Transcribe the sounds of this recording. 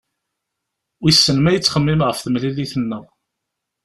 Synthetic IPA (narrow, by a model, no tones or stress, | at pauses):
wisːənmæjət͡sːχəmːimʁəfθəmːliliθənːəʁ